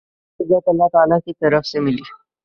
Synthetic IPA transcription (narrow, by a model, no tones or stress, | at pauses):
uɡat̪əlːat̪alakit̪əɾəfsemiliː